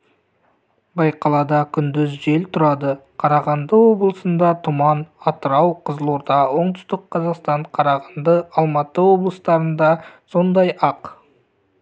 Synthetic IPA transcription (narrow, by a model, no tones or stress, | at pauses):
bɑjqʰɑlˠɑd̪ɑkʲʰʏnd̪ɪzʒe̞lt̪ʰʊɾɑd̪əqʰɑɾɑʁɑnd̪əwo̞blˠəsənd̪ɑt̪ʰʊmɑnɑt̪əɾɑwqʰəzəlˠoɾd̪ɑwo̞ɴd̪ʊst̪əqʰːɑzɑqst̪ɑɴqʰɑɾɑʁɑnd̪əɑlˠmɑt̪əwo̞blˠəst̪ɑɾənd̪ɑso̞nd̪ɑjɑq